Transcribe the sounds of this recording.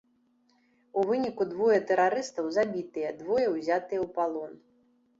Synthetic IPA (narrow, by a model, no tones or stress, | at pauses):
uvɨnʲikud̪vɔjɐt̪ɛɾaɾɨst̪ɐwzabʲit̪ɨjɛd̪vɔjɐwzʲat̪ɨjɛwpalˠɔn